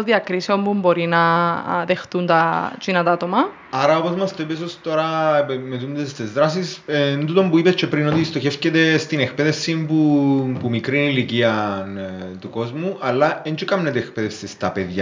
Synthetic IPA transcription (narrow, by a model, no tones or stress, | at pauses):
oðiɐkɾiseo̞mpumbo̞ɾinɐðexθunt̪ɐt͡ʃinɐt̪ɐt̪omɐ | ɐɾɐo̞pozmɐst̪oepes̬ost̪o̞ɾɐpemet̪und̪esst̪ezðɾas̬isnt̪ut̪o̞mbuipet͡ʃːepɾinot̪ist̪o̞çefcet̪est̪ine̞kpeðefsimpupumikɾiniliciɐnt̪uko̞zmuʔɐlːɐent͡ʃikɐmnet̪eːkpeðefsest̪ɐpeðʝɐ